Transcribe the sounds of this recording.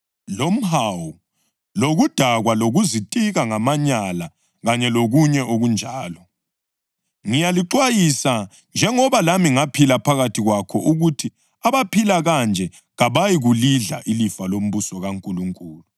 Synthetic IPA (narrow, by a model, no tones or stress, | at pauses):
lom̩ɦawu | loɣud̥ʱaɣwaloɣuzitʼiɣaŋamaɲala | ɣaɲɛloɣuɲɛʔoɣund͡ʒʱaːlɔ | ŋijaliǃwajisa | nd͡ʒʱɛŋɔβalamiŋapʰilapʰaɣatʰiɣwakʰɔʔuɣutʰi | aβapʰilaɣand͡ʒʱɛ | ɣaβajiɣuliɮa̰ʔilifalom̩βusɔɣaŋkʼuluŋkʼuːlu